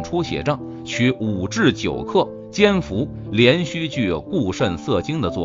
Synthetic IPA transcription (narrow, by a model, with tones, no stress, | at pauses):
ŋʈ͡ʂʰu˥ɕjɛ̰˨˩ʈ͡ʂɤ˥˩ŋ | t͡ɕʰy˧˥u˨˩ʈ͡ʂɻ̩˥˩t͡ɕjo˨˩ʊkʰɤ˥˩ | t͡ɕjɛ˥nfu˧˥ | ljɛ˧˥nɕy˥˧t͡ɕy˥˧˩ku˥˧ʂə˥˧nsɤ˥˩t͡ɕi˥ŋd̪ə˨t͡swɔ˥˩